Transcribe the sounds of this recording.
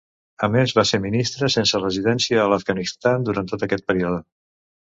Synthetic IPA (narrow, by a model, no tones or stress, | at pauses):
əmezβaseɾminist̪ɾəsensərəziðɛnsiəːləvɡənist̪and̪uɾant̪ot̪əkɛt̪̚pəɾioðə